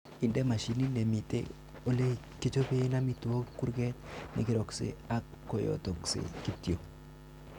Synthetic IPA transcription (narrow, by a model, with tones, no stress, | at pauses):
i˨ndɛ˦ma˨ʃi˨ni˦ne˨mi˨tḛ˦ | o˦le˦ | ke˦t͡ʃo˦pe˦na˦mi˨tu˨o˦kːu˦ɾɡɛ˦t̪nḭ˨kɪ˨ɾɔ˨ksḛ˦a˦kːo˨jo̰˨tɔ˨ksḛ˨ki˦ti˦o˨